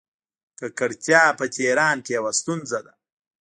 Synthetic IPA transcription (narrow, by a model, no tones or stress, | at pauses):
kəkəɽt͡ʃjɑːpət͡ʃeɾɑːnkejawast̪unzad̪a